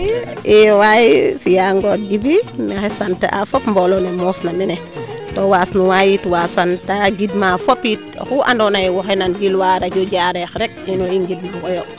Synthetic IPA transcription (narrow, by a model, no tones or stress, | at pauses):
ʔɛwajfijaŋɡot̚ɡibinaxɛsantɛ̰ʔa̰fɔpmbɔlɔnemɔːfnaminɛ | towaːsnuwajitwasantaɡidmafopit̚xuʔa̰ndɔnajwɔxɛnanɡilwaɾaɟɔɟaɾɛxɾɛk̚inuiŋɡid̚maɡɔjo